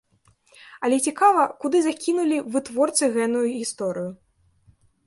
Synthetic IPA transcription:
ɐlʲɛt͡sʲikavɐkud̪ɨzakʲinulʲivɨt̪vɔrt̪sɨɣɛnujuɣʲist̪ɔɾɨju

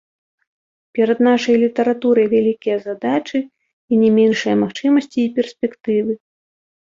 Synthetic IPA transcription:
pʲɛɾɐd̪naʂɐjlʲit̪ɐɾat̪uɾɐjvʲalʲikʲijɐzad̪at͡ʂɨ | inʲɛmʲɛnʂɨjɐmaxt͡ʂɨmɐsʲt͡sʲiːpʲɛrsʲpʲɛkt̪ɨvɨ

